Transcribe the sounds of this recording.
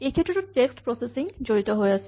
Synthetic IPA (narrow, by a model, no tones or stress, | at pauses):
ekʰet̪ːɾoʈ̪uʈeksʈpɾɔsesiŋd͡ʑoɾit̪oɦoeasʰe